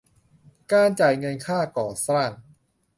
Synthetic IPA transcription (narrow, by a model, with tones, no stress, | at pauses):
kaː˧nt͡ɕaː˨˩jŋɤ˧nkʰaː˥˩kɔː˨˩saː˥˩n